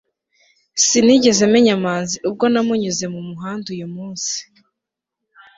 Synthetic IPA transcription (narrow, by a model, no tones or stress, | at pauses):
siniɟe̞ze̞meɲamaːnziʔub̚ɡo̞namuɲuze̞mumuɦaːndujumuːnsi̥